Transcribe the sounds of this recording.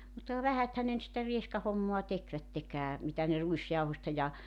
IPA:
mutːɑ kɑ ʋæhæthæn ne ny̆t sitæ rieskɑhomːoɑ tekʋætːekæː mitæ ne ruisjɑuhostɑ jɑ

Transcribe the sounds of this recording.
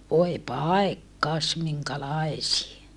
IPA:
ʋoe pɑˑekːɑs miŋkælɑesie

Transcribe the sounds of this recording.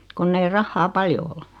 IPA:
konː ei rɑhːɑː pɑljo ol

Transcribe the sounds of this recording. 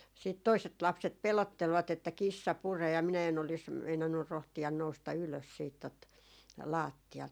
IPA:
siˑt toiset lɑpset pelotːelʋɑt etːæ kisːɑ pureː jɑ minæ en olis meinɑnːur rohtiɑn noustɑ yløs siːt tot lɑːtːiɑlt

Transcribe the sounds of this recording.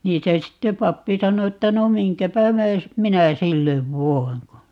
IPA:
niːn se sitːe pɑpːi sɑno etːæ no miŋkæpæ myøs minæ silːeʋ ʋoi̯ŋ ko

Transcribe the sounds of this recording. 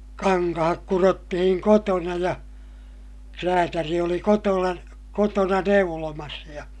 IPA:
kɑŋkɑhɑk kurotːihiŋ kotonɑ jɑ kræːtæri oli kotolɑ kotonɑ neulomɑs jɑ

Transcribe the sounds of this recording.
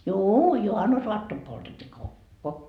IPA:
juː juhɑnːusoɑtːom poltetʲːiː kokːo

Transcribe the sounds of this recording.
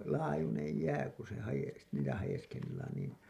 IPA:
lɑːjunej jæː ku se hɑjes niːtæ hɑjeskelːɑːn niːn

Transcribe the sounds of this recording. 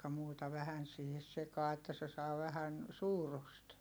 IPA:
muːtɑ ʋæhæn siːhes sekɑː etːæ se sɑː ʋæhæn suːrust

